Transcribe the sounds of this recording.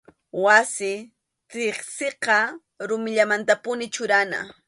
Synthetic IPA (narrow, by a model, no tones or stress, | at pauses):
wasɪ | t̪ɪχsɪqɑ | ɾʊmɪʎamant̪apʊnɪt͡ʃʊɾana̰